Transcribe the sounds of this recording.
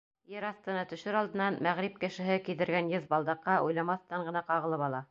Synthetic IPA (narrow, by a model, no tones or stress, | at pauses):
jɘɾɑθt̪ɤ̆nɑt̪ɵ̆ʃɘɾɑlˠd̪ɤ̆nɑnmæʁɾip̚kɘ̆ʃɘ̆ɦɘkiðɘ̆ɾɡænjɤðbɑlˠd̪ɑqːɑʔṵjlˠɑmɑθt̪ɑɴɢɤ̆nɑqɑʁɤ̆lˠɤpɑlˠɑ